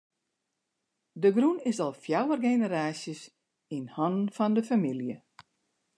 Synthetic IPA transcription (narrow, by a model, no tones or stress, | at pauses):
dəɡrunɪsɔlˠfjawərɡenəɾaːsjəs | inhɔnnfɔndəfamilˠjə